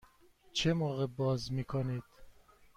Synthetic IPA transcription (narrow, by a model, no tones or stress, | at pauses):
t͡ʃʰemoːɣebɒːzmiːkʰonid̪̥